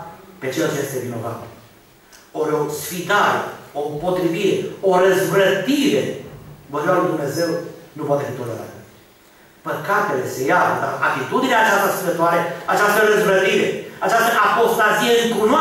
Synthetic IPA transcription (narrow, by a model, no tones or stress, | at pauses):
pe̞t͡ʃelt͡ʃje̞st̪e̞vino̞va̰tl | oɾʲo̞sfid̪aɾḛompo̞t̪ɾiviɾe̞oɾəzvɾət̪iɾe̞voɾbaluijd̪umne̞ze̞wnupwat̪efit̪oleɾa̰ɾ | pəkat̪e̞le̞se̞japəd̪aʔat̪it̪ud̪ineat͡ʃast̪asid̪ət̪oaɾeat͡ʃast̪əɾəzvɾət̪iɾe̞at͡ʃast̪əʔapo̞st̪azijeɨŋkuna